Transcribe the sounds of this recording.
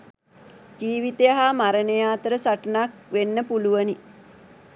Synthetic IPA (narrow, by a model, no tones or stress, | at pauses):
d͡ʒiːʋit̪ejaɦamaɾənəjaːt̪əɾəsaʈənakʋenːəpuluʋəni